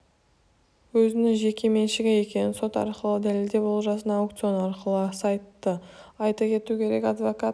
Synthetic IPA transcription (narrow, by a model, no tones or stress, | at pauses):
wɵzɪnɪŋʒe̞kʲe̞me̞nʃɪɡʲeje̞kʲe̞nɪnso̞t̪ɑ̰ɾqəlˠəd̪æleld̪e̞bolˠʒɑsənɑːwk̚t̪sio̞nɑɾqəlˠəsɑjt̪ːəɑjt̪ɑkʲʰe̞t̪ukʲʰe̞ɾe̞kʲɑd̪vokat